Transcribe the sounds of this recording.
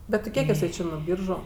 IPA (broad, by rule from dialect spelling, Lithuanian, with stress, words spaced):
bʲɛt tʲɪ ˈkʲiɛk ɪˈsɐɪ ˈt͡ʃʲeː nuɔ ˈbʲiːrʒʊ